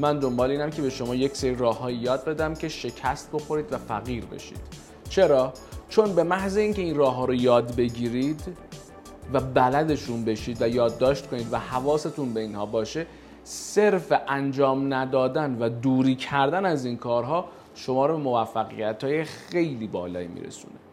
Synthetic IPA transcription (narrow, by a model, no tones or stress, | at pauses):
mænd̪o̞mbɒːleiːnæmcʰe̞be̞ʃo̞mɒːje̞cseɾiɾɒːhɒːjijɒːd̪̚be̞d̪æmcʰe̞ʃe̞cʰæst̪̚bo̞xo̞ɾiːd̪væfæɣiːɾbḛʃḭːd̪̥ | t͡ʃʰe̞ɾɒː | t͡ʃʰo̞nbe̞mæhzeiːnce̞inrɒːɦɒːɾojɒːd̪be̞ɟiːɾiːd̪ | væbælæd̪e̞ʃunbe̞ʃiːd̪væjɒːd̪ːɒːʃt̪̚kʰo̞niːd̪væhævɒːse̞t̪ʰunbe̞inhɒːbɒːʃe̞ | se̞ɾfeʔænd͡ʒɒːmnæd̪ɒːd̪ænvæd̪uːɾiːcʰæɾd̪ænæzinkʰɒːɾɦɒː | ʃo̞mɒːɾobe̞mo̞væfːæɣḭjæt̪ʰhɒːje̞xe̞jliːbɒːlɒ̰ːjḭmḭːɾḛsṵːne